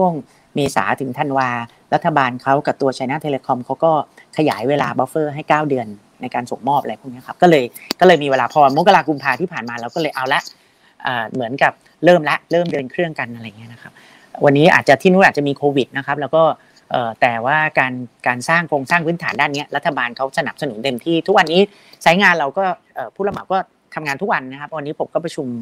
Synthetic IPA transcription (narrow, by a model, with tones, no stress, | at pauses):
t͡ɕʰu˥˩əŋ | meː˧sa̰ː˩˦t̪ʰɯ˩˦ŋt̪ʰa˧nwaː˧ | ɾa˦˥t̪ʰːa˧baː˧nkʰa˦˥wka˨˩p̚t̪u˧ɐt͡ɕʰa˧jna˦˥˩t̪ʰeː˧leː˧kʰɔ˧mkʰa˦˥wkɔː˥˩kʰa˧ja̰ː˩˦jweː˧la̰ː˧bɔ˦˥fɤː˥˩ɦa˥˩jkaː˥˩wdɯ˧ənː | a˧jkaː˧nso˨˩ŋmɔː˥˩p̚a˧ɾa˧jpʰu˥˩ŋni˦˥ɐkʰa˦˥p̚kɔː˥˩lɤː˧jkɔː˥˩lɤː˧jmiː˧weː˧laː˧pʰɔ˧a˧mo˦˥ka˧laː˧ku˧mpʰaː˧iː˥˩pʰaː˨˩nmaː˧lɛː˦˥wkɔː˥˩lɤː˧jʔa˧wla˦˥ʔ | ʔəː˨˩mɯ˩˦ənka˨˩p̚ | ɾɤː˥˩mla˦˥ʔɾɤː˥˩mdɯ˧nkʰɾɯ˥˩əŋka˧nʔa˧ɾa˧jŋi˦˥ɐna˦˥kʰa˦˥p̚ | wʔa˧nːiː˦˥ʔa̰ː˨˩t̪̚t͡ɕa˨˩t̪ʰiː˥˩nuː˦˥ʔaː˨˩t͡ɕa˨ʔmiː˧kʰoː˧wi˨˩t̪̚na˦˥kʰa˦˥p̚lɛ˦˥wkɔː˥˩ | ʔɤː˨˩t̪ɛː˨˩waː˥˩kaː˧nkaː˧nsaː˥˩ŋkʰoː˧ŋsaː˥˩ŋpʰɯː˦˥nt̪ʰaː˩˦ndaː˥˩nːi˦˥ɐɾa˦˥t̪ʰːa˧baː˧nkʰa˦˥wsa˧na̰˨˩p̚sa˧nṵ˨˩˦nt̪e˧mt̪ʰiː˥˩t̪ʰu˦˥k̚wa˧nːiː˦˥ | t͡ɕʰa˦˥jŋaː˧nɾa˧wkɔː˥˩ʔɤː˨˩pʰuː˥˩la˧ma˨˦˩kɔː˥˩ | t̪ʰa˧mŋaː˧nt̪u˦˥k̚wa˧nːa˦˥kʰa˦˥p̚wa˧nːiː˦˥pʰo˨˩˦mkɔː˥˩pɾa˧t͡ɕʰu˧m